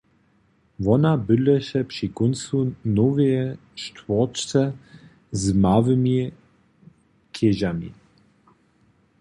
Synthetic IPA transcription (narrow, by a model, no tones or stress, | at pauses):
vɔnabəlɛʃɛpʂikonsunɔvɛjɛ | ʃtvɔt͡ʃt͡s̪ɛ | zmavimi | kʰeʒamḭ